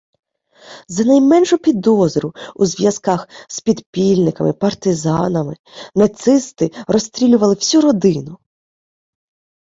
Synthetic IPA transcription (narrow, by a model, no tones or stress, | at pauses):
zɐnɐjmɛnʃʊpʲid̪ɔzɾʊuzʋʲjɐskɑxspʲid̪pʲilʲnɪkɐmɪpɐrt̪ɪzɑnɐmɪ | nɐt̪sɪst̪ɪrɔst̪ɾʲilʲʊʋɐlˠɪwsʲuɾɔd̪ɪnʊ